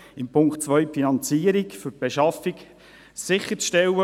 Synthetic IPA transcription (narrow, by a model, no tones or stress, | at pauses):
ɪmpʰʊŋkχtt͡sʋœʏfinɑnt͡siːəɾikfʏɾb̥eʃɑfik | sɪχət͡sʃtɛwə